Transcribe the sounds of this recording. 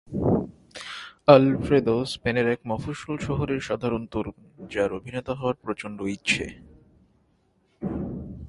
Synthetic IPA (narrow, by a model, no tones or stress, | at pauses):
alfɾed̪ospeneɾɛkmɔfoʃolʃɔɦoɾeɾʃad̪ʱaɾont̪uɾund͡ʑaɾobʱinet̪aɦɔaɾpɾot͡ɕoɳɖoitːɕʰḛ